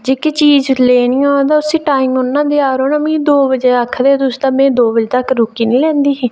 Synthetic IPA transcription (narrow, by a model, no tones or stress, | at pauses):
d͡ʒeːkiːt͡ʃiːzleːnĩːoːd̪aːʊsĩːʈaːiːmʊnːãːd̪eːaːɾoːnə̃mĩːd̪oːbəd͡ʒeːəkʰːd̪eːt̪ʊst̪aːmɛ̃ːd̪oːbəd͡ʒt̪əkɾʊkiːnĩːlɛ̃ːnd̪iːsiː